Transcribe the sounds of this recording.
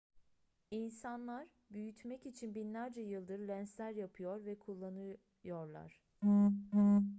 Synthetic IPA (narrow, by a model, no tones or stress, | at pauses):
insanlˠaɾ | byjyt̪ʰmɛcit͡ʃʰinbinlʲæɾd͡ʒɛjɯlˠd̪ɯɾlʲænslʲæɾjapʰɯjo̞ɾvɛkʰulˠːanɯ | jo̞ɾlˠa̰ɾ̝̥